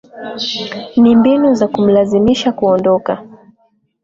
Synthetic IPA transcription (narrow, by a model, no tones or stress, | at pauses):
nimbinuzakum̩lazimiʃakuɔndɔka